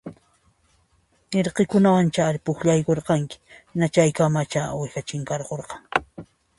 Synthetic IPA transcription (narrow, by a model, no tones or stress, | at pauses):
eɾqekʊnawant͡ʃaɾɪpʊxʎajkoɾqɑŋkɪ̥nat͡ʃajkamat͡ʃawɪxat͡ʃɪŋkɑɾqoɾqɑŋ